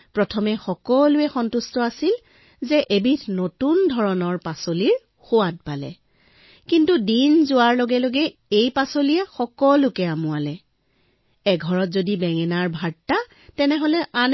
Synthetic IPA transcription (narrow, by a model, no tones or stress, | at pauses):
pɹɔtʰɔmɛxɔkɔlʊɛxɔntustɔasil | zɛʔebitʰnotundʱɔɹɔnɔɹpasoliɹ | xʊwat̚palɛ̰ | kintudinzʊaɹloɡɛloɡɛejpasoliɛxɔkɔlʊkɛamʊalɛ | ɛɡʱɔɹɔtzodibɛŋɛnaɹbʱaɹtːa | tɛnɛɦɔlɛʔan